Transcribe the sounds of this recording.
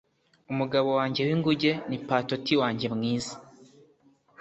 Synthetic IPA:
umuɡaβo̞waːɲɟe̞wiŋɡuɟe̞nipaːtotiwaːɲɟe̞mŋiːzi̥

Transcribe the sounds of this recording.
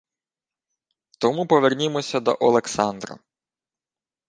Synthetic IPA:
t̪ɔmupɔʋernʲimɔsʲɐd̪ɔ̰ʔɔlˠeksɑnd̪rɐ̰

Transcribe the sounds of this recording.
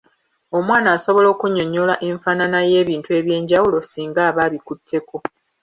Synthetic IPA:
o̞mwaːnaːso̞βo̞lo̞ːkuɲːo̞ɲːo̞laʔe̞ɱfananaje̞ːβiːntue̞βje̞ːɲɟawulo̞siːŋɡaːβaːβikutʰːe̞ko̞

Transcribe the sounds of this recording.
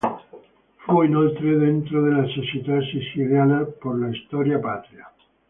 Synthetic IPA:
feinolt̪ɾeðent̪ɾoðelasesit̪asisiðjalapoɾlaist̪oɾjapat̪ɾja

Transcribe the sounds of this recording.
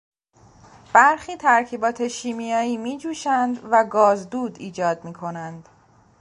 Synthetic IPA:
b̥æɾxiːt̪ʰæɾcʰiːbɒːt̪ʰe̞ʃiːmijɒːiːmiːd͡ʒuːʃænd̪væɡɒːzd̪uːd̪iːd͡ʒɒːd̪miːkʰo̞nænd̪̥

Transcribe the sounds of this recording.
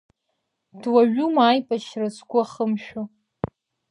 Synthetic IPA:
dwaʒᶣumaːjpʼaʃrasɡʷʼʊaχəmʃᶣo

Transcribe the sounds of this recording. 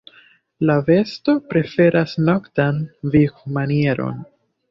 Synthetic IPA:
lave̞sto̞pɾe̞fe̞ɾʔasno̞ktanvikmanie̞ɾo̞̰n

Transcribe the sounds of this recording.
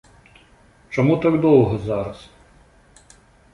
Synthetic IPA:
t͡ʃɔmut̪ɑɡd̪ɔwɦɔzɑɾɐs

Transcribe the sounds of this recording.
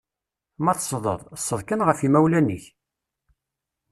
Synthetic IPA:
mæθsˤðˤə̰ðˤsːəðˤkənʁəfimæwlæniç

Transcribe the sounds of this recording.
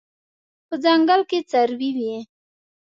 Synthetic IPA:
pəzaŋɡalket͡saɾwiwi

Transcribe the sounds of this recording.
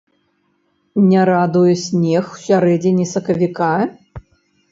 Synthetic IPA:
nʲɛɾad̪ujɛsʲnʲɛxw̥sʲaɾɛd͡zʲinʲisɐkɐvʲika

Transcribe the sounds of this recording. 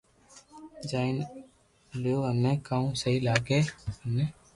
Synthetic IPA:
d͡ʒaːɪn | ljoːənːẽːkãːũːsəɦiːlaːɡeːənːeː

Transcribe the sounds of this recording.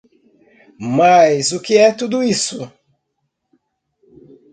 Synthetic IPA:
majzʊkɪɛt̪ud̪ʊisʊ

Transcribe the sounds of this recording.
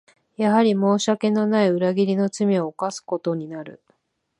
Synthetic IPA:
jaɦaɾʲimo̞ːɕake̞no̞naiɯ̟ɾaɡʲiɾʲino̞t͡sɨmʲio̞ːkasɨ̥ko̞t̪o̞ɲ̟inaɾɯ̟̰

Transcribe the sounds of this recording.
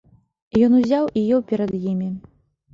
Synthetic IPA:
jɔnuzʲawijɛwpʲɛɾɐd̪jimʲi

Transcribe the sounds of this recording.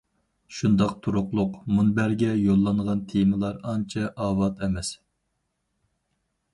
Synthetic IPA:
ʃund̪ɑqt̪ʰuɾʊqlˠʊqmunbæɾɡʲɛjolˠːɑɴʁɑnt̪ʰemɨlˠɑɾɑnt͡ʃʰɛʔɑːwɑt̪ʰɛmɛs

